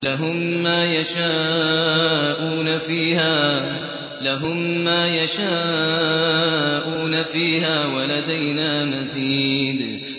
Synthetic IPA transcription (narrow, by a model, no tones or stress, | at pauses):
laɦʊmːaːjaʃaː | ʔuːnafiːhaː | laɦʊmːaːjaʃaː | ʔuːnafiːɦaːwalad̪ajnaːmaziːd̪